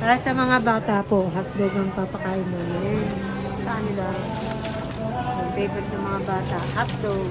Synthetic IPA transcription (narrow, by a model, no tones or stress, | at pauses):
paːɾasɐmɐŋabaːt̪apo̞ʔɦap̚d̪oɡɐŋpapɐkaːjɪnmonɛ | sɐʔɐnɪla | mɐɡbɛːɡot̪̚nɐŋmɐŋabaːt̪ɐʔhap̚d̪oɡ